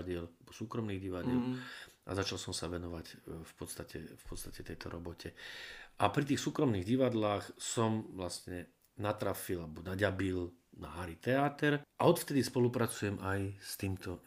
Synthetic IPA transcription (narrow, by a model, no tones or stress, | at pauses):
ɟɪɛlbɔsuːkɾɔmniːɣɟiʋaɟɪɛlʔa̰zat͡ʃalsɔmsaʋɛnɔʋacfpɔt̪st̪acʰɛ̰fpɔt̪st̪acɛt̪ɛjt̪ɔɾʔɔbɔcʰɛʔapɾit̪iːxsuːkɾɔmniːɣɟiʋad̪laːxsɔmʋlast̪ɲɛ | nat̪ɾafilabɔnaɟabil | naɦaɾit̪ɛat̪ɛɾʔaɔt̪ft̪ɛd̪ispɔlupɾat͡sujɛmʔajst̪iːmt̪ɔ